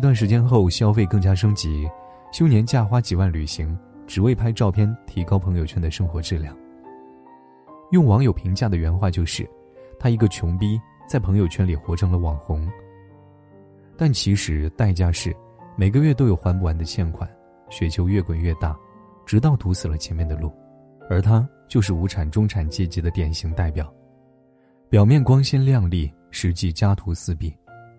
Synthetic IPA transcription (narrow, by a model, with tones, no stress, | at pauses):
t̪wa˥˩nʂ̬ɻ̩˧˥t͡ɕjɛ˥nxo˥˧ʊɕjɑ˥ʊfe˥˧ɪkɤ˥˩ŋt͡ɕja˥ʂ̬ɤ˥ŋt͡ɕi˧˥ | ɕjo˥ʊnjɛ˧˥nt͡ɕja˥˩xwa˥t͡ɕi˨˩wa˥˩nly˨˩ɕi˧˥ŋʈ͡ʂɻ̩˨˩we˥˩ɪpʰa˥ɪʈ͡ʂɑ˥˧ʊpʰjɛ˥˧nt̪ʰi˧˥kɑ˥ʊpʰɤ˧˥ŋjo˨ʊt͡ɕʰɛ˥nd̪ə˨ʂɤ˥ŋxwɔ˧˥ʈ͡ʂɻ̩˥˧ljɑ˥˩ŋ | jʊ˥˩ŋwɑ˧˥ŋjo˨˩ʊpʰi˧˥ŋt͡ɕja˥˩d̪ə˩ɥɛ˧˥nxwa˥˧t͡ɕjo˥˧ʊʂɻ̩˥˩ | t̪ʰa˥i˧˥ɡə˧t͡ɕʰjʊ˧˥ŋpi˥ | t͡sa˥˩ɪpʰɤ˧˥ŋjo˨˩t͡ɕʰɥɛ˥nli˨˩xwɔ˧˥ʈ͡ʂʰɤ˧˥ŋlə˨˧wɑ˨˩ŋxʊ˧˥ŋ | t̪a˥˩nt͡ɕʰi˧˥ʂɻ̩˧˥t̪a˥˩ɪt͡ɕja˥ʂɻ̩˥˩ | me˨˩ɪɡə˦ɥɛ˥˩t̪̬o˥ʊjo˨˩ʊxwa˧˥npu˥˩wa˧˥nd̪ə˧t͡ɕʰjɛ˥˩nkʰwa˨˩˦n | ɕɥɛ˨˧˩t͡ɕʰjo˧˥ʊɥɛ˥˩kwə˨˩nɥɛ˥˧t̪a˥˩ | ʈ͡ʂɻ̩˧˥t̪̬ɑ˥˩ʊt̪ʰu˧˥sɹ̩˨˩lə˦t͡ɕʰjɛ˧˥nmjɛ˥˩nd̪ə˩lu˥˩ | ə˞˧˥t̪ʰa˥ | t͡ɕjo˥˧ʊʂ̬ɻ̩˥˩u˧˥ʈ͡ʂʰa˨˩nʈ͡ʂʊ˥ŋʈ͡ʂʰa˨˩nt͡ɕjɛ˥˩t͡ɕi˧˥d̪ə˧t̪jɛ˨˩nɕi˧˥ŋt̪a˥˩ɪpjɑ˨˩˦ | pjɑ˨˩ʊmjɛ˥˩nkwɑ˥ŋɕi˥nljɑ˥˧ŋli˥˩ | ʂɻ̩˧˥t͡ɕi˥˩t͡ɕja˥t̪ʰu˧˥sɹ̩˥˧pi˥˩